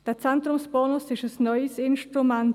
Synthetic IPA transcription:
eːɐt͡sɛntʁʊmsb̥ɔːnʊsɪʃəsnɔʏəsɪnʃtʁumɛnt

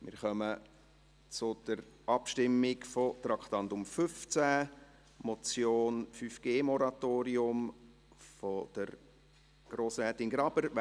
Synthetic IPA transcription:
mɪ̰ːɾχœmə | t͡sʊd̪̥əɾʔɑpʃtɪmːɪkfɔt̪ɾɑkχt̪ɑnd̪ʊmfʏft͡sæ | mɔt͡sjoːnfyfɡ̥eːmɔɾɑt̪oːɾiʊm | fod̪̥əɾ | ɡ̥ɾoːsɛːtɪnɡɾɑbəɾ

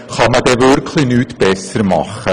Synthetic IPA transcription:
χɑmədɛvɵrkʰlinyːtb̥ɛsərmɑχə

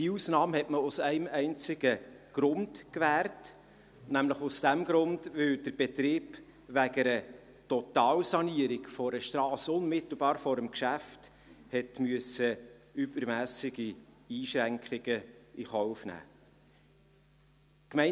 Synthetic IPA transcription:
d̥iuːsnɑːmhɛtməʊsɛɪmɛɪnt͡sɪɡ̥əɡ̥ɾʊnd̥kʋæːrt | næmləχʊsd̥æmɡɾʊndʋɵld̥əɾb̥ɛtɾiːb̥ | ʋæɡəɾə | tɔtɑːwsɑniəɾiɡfɔɾəʃtɾɑːsʊnmɪt̪l̩bɑːɾfɔɾəmkʃæft | hɛtmyəsəyb̥əɾmæːsɪɡi | iːʃɾæŋkχɪɡ̥əiχɔʊfnæ̰ː | kmɛɪ

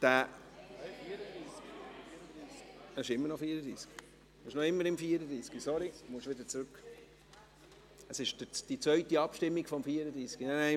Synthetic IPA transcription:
d̥æː | əʃɪmːəɾnɔfiːəɾəd̪ɾḭːsɡ̥ | muʃnɔɪmːəɾɪmfiːəɾəd̪ɾiːsɡ̥isɔɾimuʃʋɪd̪ət͡sɾʉk | əsɪʃd̥ɪd̥it͡sʋœɥtiɑpʃtɪmːiɡ̥fɔmfiːəɾəd̪ɾiːsɡ̥inɛnæɪ

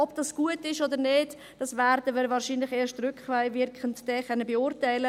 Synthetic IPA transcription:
ɔbd̥ɑsɡ̥uətɪʃodəɾneːd | d̥ɑsvɛːɾdəʋəɾvɑːɾʃiːnlɪχeːʃtrʏkvaɪvɪɾkχəntd̥ɛχœnːəbɛʊɾtaɪlə

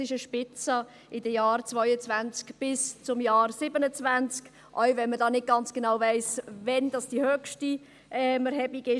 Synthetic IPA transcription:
sɪʃəʃpɪt͡sə | ʔɪdəjɑːɾt͡svɔʏət͡svænt͡skb̥ɪst͡sʊmjɑːɾsɪbənət͡svænt͡sk | ʔɔwvɛnmədɑːnɪd̚ɡ̥ɑnt͡sɡ̥enawvɛɪsvɛnd̥ɑsd̥ihøkʃti | ʔɛːməɾɦɛbiɡɪ

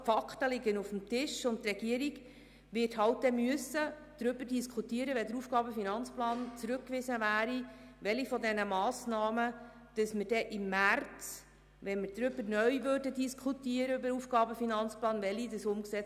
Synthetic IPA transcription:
fɑkχtəlɪɡənufəm̩tɪʃʊnttːɾɛɡ̥iəɾiɡ | ʋɪrtɦɑwt̚d̥ɛmʏəsːə | d̪̥ɾʏb̥əɾdiskʰutiəɾəʋɛdəɾufɡ̥ɑːbəfinɑnt͡splɑːnt͡sɾʉkːʋɪzəʋæːɾiʋɛlifɔdɛnəmɑːsnɑːmə | d̥ɑsməɾd̥ɛʔɪmːært͡s | ʋɛnmɪɾdɾʏbəɾnœʏʋøːrdədiskʰutiəɾəybəɾufɡ̥ɑːbəfinɑnt͡splɑːnʋɛlidəsʊmksɛ

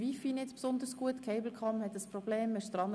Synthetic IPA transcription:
vifinɪt͡spsʊnd̪əɾsɡ̥uətkʰɛɪbl̩kʰɑmhɛt̪əsprɔbleːmːɛʃt̪ɾɑn

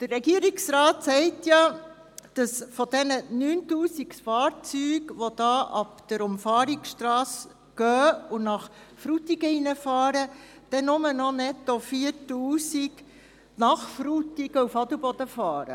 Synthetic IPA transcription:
d̥əɾːɛɡiːəɾiksɾɑːtsɛɪtjɑ | d̥ɑsfɔd̥ɛnənyːntuːsiksfɑːɾt͡syːɡʋod̥̪ɑːʔɑpd̥əɾʊmfɑːɾiksʃtrɑːs | ɡ̥œːʊnɑχfɾutiɡəinəfɑːɾəd̥ɛnʊmənɔnɛt̪ːofiəɾtuːsiɡ | nɑχfɾutiɡəufɑdəbɔd̪əfɑːɾə̰

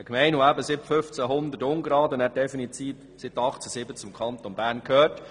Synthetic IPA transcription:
ɛkmɛɪnʊæbəsɪbəfʏft͡sæɦʊnd̪ətʊŋɡɾɑːd̪ʊnæːɾdɛfinit̪iːb | sɪt̪ɑχt͡səsɪbət͡sʊmkʰɑnt̪onbæːɾnkʰøːɾt

